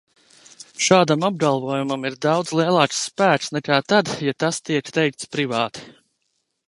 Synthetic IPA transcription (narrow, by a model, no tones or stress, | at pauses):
ʃaːd̪amab̚ɡalˠvɔɔjumamiɾd̪ɑwd̪zlˠiɛlˠɑːksːpæːksnɛkaːt̪ad̪jat̪ast̪iɛkt̪ɛjk̚t̪spɾivaːt̪i̥